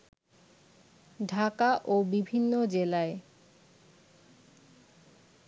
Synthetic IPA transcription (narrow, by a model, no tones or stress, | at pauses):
ɖʱakaʔobibʱinːod͡ʑelae